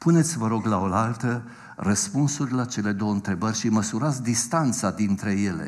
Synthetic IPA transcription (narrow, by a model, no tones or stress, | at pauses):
pune̞t̪sʲvəɾo̞ɡlaolalt̪ə | rəspunsurʲlat͡ʃe̞le̞d̪o̞wəɨnt̪ɾe̞bərʲʃiməsuɾat̪sʲd̪ist̪ant̪sad̪int̪ɾe̞je̞le̞̰